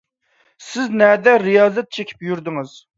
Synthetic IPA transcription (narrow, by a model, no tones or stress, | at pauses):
sɪznɛd̪ɛɾijɑːzɛt̪̚t͡ʃʰekʲʰi̥pjyɾd̪ɪŋɨz̥